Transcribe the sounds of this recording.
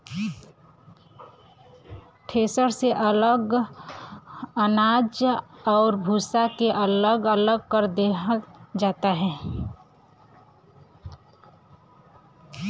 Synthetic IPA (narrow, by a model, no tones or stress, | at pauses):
ʈʰeːsəɾseʔələɡ | ənaːd͡ʒɔːɾbʱuːsakeʔələɡələɡ̚kəɾd̪ed͡ʒaːt̪aɦɛː